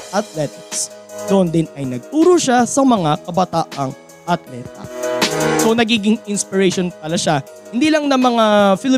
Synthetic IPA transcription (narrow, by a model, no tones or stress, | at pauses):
ʔɐt̪̚lɛt̪ɪksd̪oʔnd̪ɪnɐjnɐɡ̚t̪uːɾoʃasɐmɐŋakɐbɐt̪aːʔɐŋ | ʔɐt̪lɛt̪̚ɐ̰ | sonɐɡiːɡɪŋɪnspɪɹɛjʃonpɐlaʃa | hɪnd̪iːlɐŋnɐmɐŋafɪlɪ